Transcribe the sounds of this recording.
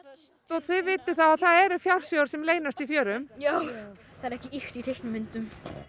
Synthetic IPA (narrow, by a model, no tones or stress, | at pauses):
t̪ɔθɪðvɪːt̪ɪ̥θawaðθaðɛɾʏfjawɾ̥sjowɾ̥sɛmleːjnast̪ifjœːɾʏmjoːw | θaðɛɾɛhcɪixt̪iθejhknʏmːɪnt̪ʏm